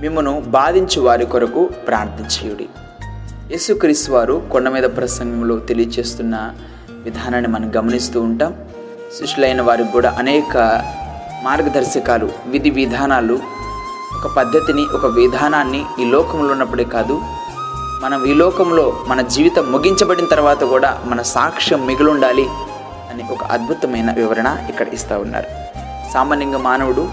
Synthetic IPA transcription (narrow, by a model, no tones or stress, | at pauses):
mimːunubaːd̪iɲt͡ʃɐʋaːɾikɔɾɐkupɾa̰ːɾt̪iɲt͡ʃɐːjuɽḭ | je̞ːsukɾiːst̪uʋaːɾukɔɳɖɐmiːd̪ɐpɾɐsɐŋɡʱɐmlo̞ːt̪elijɐt͡ʃe̞ːst̪unːɐ | ʋid̪ʱaːnaːnːimɐnɐmɡɐmɐnist̪uːɳʈaːm | siʂulɐjnɐʋaːɾukuːɽa̰ːʔɐnɛːkɐ | maːɾɡɐd̪ʱɐɾʃɐkaːlṵʋid̪ʱiʋid̪ʱaːnaːlu | ɔkɐpɐd̪ʱːɐt̪iniʔɔkɐʋid̪ʱaːnaːnːiiːlɔːkɐmloːunːɐpːuɽeːkaːd̪u | mɐnɐmiːlɔːkɐmlo̞ːmɐnɐd͡ʒiːʋit̪ɐmːuɡiɲt͡ʃɐbɐɽinɐt̪ɐɾuʋaːt̪ɐkuːɽa̰ːmɐnɐsaːkʂɐmːiɡɐluɳɖaːli | ɐniʔɔkɐ̰ʔɐ̰d̪̚bʱut̪ɐmɐjnɐʋiʋɐɾɐɳɐikːɐɽɐ̰ʔist̪aːwunːa̰ːɾu | saːmaːniŋɡɐmaːnɐwuɽu